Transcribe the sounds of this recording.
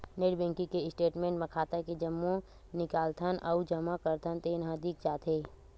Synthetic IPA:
neːɖbɛ̃ːŋkikeɪsʈeːʈmẽːɳʈmẽkʰaːt̪aked͡ʒəmːõ | nɪkaːlt̪ʰənʔɔːʊd͡ʒɐmakəɾt̪ʰənt̪enɦãd̪iːk̚d͡ʒaːt̪ʰeː

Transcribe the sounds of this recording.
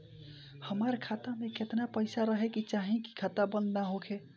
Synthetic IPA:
həmaɾkʰat̪amẽket̪napəɪsaɾəɦekit͡ʃaɦĩki̥kʰat̪abə̃nd̪naɦokʰe

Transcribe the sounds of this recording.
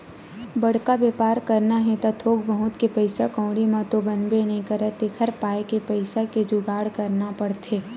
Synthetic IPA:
bɐɽ̤kabeːpaːɾkɐɾnaɦɛ̃t̪at̪ʰoːɡ̚bəɦʊt̪kepəɪsakɔ̃ːɽimãt̪obɐnbenɐɦĩkɐɾət̪ekʰəɾpaːekepəɪsaked͡ʒʊɡaːɽkɐɾnapɐɽt̪ʰeː

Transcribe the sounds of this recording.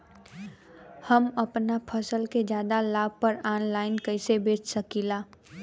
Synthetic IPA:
həmɐpnapʰəsəlked͡ʒjaːd̪alaːb̚pəɾaːnlaːɪnkəɪsebeːt͡ʃsəkiːlaː

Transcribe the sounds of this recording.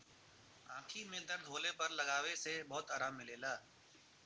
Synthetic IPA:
ãːʈʰimẽd̪ɐɾd̪ʱoːlepɐɾlɐɡaːʋesebɔːt̪aːɾaːmːɪleːlaː

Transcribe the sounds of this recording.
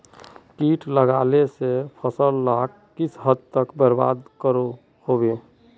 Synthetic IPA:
kiːʈləɡaːlesepʰəsəllak | kːɪsɦəd̪̚t̪əkbəɾba̰ːd̪kəɾo | hoːbeː

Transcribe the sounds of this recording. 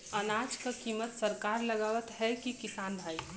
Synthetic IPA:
ənaːd͡ʒkakiːmət̪səɾkaːɾləɡaːʋət̪ɦɛkikɪsaːnbʱaːi

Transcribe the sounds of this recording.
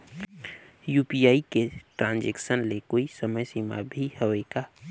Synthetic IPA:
juːpiaːikeʈɾãːnd͡ʒeksənlekoːisəməjsima̰bʱihəeka

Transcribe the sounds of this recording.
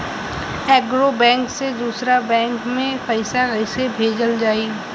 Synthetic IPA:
ɛːɡɾobɛ̃ːŋksed̪uːsɾabɛ̃ːŋkmẽpəɪsakəɪsebʱeːd͡ʒəld͡ʒaːiː

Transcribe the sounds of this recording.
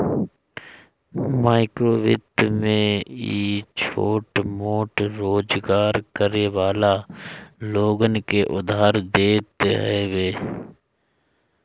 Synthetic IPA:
maːɪkɾoːʋɪ̰t̪mẽiːt͡ʃʰoːʈmoːʈɾoːd͡ʒɡaːɾkəɾeʋaːla | loːɡənkeʔʊd̪ʱaːɾd̪eːt̪eɦɛʋeː

